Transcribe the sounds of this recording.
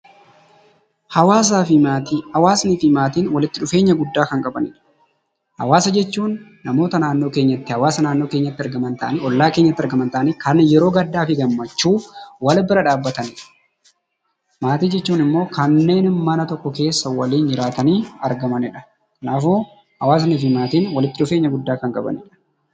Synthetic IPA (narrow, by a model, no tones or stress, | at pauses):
hɐwaːs̬aːfɪt̪ːɐwaːsnifɪmaːt̪iːnwɐlɪt̪ːɪᶑʊfe̞ːɲːɐɡʊd̪ːaːkɐŋkʼɐbɐnɪᶑɐ̥ | hɐ̰waːsɐd͡ʒɛt͡ʃːuːnː | ɐmo̞ːt̪ɐnaːnːo̞ːkeːɲːɐt̪ːɪhɐwaːsɐnaːnːo̞ːke̞ːɲːɐt̪ːɪɐɾɡɐmɐnt̪ʰɐʔɐniɔlːaːke̞ːɲːɐt̪ːɪɐɾɡɐmɐnt̪ɐʔɐniːkʰɐnjɛɾo̞ːɡɐd̪ːaːfɪɡɐmːɐt͡ʃːuːwɐlbɪɾɐᶑaːbːɐt̪ɐnɪᶑɐ̥ | maːt̪iːd͡ʒɛt͡ʃːuːnɪmːo̞ːkɐnːe̞ːnmɐnɐt̪ɔkːɔke̞ːsːɐwɐliːnd͡ʒɪɾaːt̪ɐniːɐɾɡɐmɐnɪᶑɐ | kɐnaːfo | hɐwaːs̬ɐniːfɪmaːt̪iːnwɐlɪt̪ːɪᶑʊfe̞ːɲːɐɡʊd̪ːaːkɐŋkʼɐbɐ̰nɪᶑɐ̥